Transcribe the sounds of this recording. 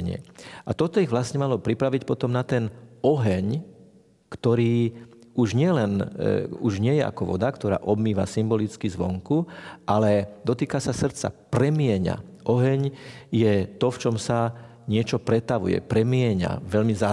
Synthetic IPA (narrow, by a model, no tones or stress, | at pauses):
ɲɪɛ̰ʔat̪ɔt̪ɔiɣʋlasɲɛmalɔpɾipɾaʋicpɔt̪ɔmnat̪ɛnɔɦɛɲ | kt̪ɔɾiː | uʒɲɪɛlɛnuʒɲɪɛjɛa̰kɔʋɔ̰d̪akt̪ɔɾa̰ːʔɔbmiːʋasimbɔlit͡skizʋɔŋkuʔalɛd̪ɔt̪iːkasasr̩t̪t͡sa̰pɾɛmɪɛɲa̰ʔɔɦɛɲjɛt̪ɔft͡ʃɔmsa | ɲɪɛt͡ʃɔpɾɛt̪aʋṵjɛ̰pɾɛmɪɛɲa̰ʋɛʎmiza